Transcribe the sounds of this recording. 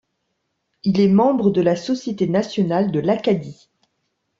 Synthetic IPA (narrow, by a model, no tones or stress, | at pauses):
ilɛmɑ̃bʁəd̪əlasɔsjet̪enasjɔnald̪əlakad̪i